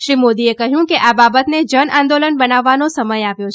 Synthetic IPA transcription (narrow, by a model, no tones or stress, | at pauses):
ʃɾimod̪iekəɦjũkeʔababət̪ned͡ʒənãnd̪olənbənaʋːanosəməjaʋjot͡ʃʰe